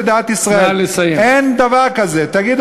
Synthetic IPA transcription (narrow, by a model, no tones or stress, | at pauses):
d̪at̪isʁaellesajeend̪avaʁkazet̪aɡid̪